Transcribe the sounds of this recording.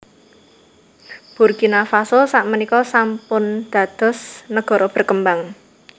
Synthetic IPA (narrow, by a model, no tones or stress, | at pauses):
b̥urɡ̥inafasosaʔmənikɔsampʊnd̪̥ä̤d̪̥ɔ̤snəɡ̥ɔ̤ɾɔb̥ə̤rkəmbaŋ